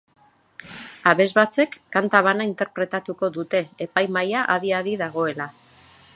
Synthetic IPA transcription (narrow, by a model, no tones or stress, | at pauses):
aβe̞zβat͡se̞kːant̪aβ̞anaint̪e̞ɾpɾe̞t̪at̪uko̞ðut̪e̞ːpajmajaʔaðiaðiðaɣo̞e̞la